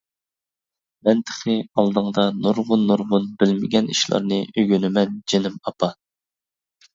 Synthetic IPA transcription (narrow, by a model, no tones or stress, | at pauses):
mɛnt̪ʰɪ̥χɨɑlˠd̪ɨŋd̪ɑnuɾʁʊnːuɾʁʊnbɪlmɪɡʲɛniʃlˠɑ̰ɾnɨʔøɡʲønymɛnd͡ʒenɪmɑpʰɑ